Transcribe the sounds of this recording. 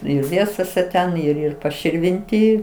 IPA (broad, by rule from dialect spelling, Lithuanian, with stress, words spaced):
ˈɪr ˈʋʲiɛsoːsʲɛ ˈtʲɛn ɪr ɪr pɐʃʲɪrʲʋʲɪnʲˈtʲiː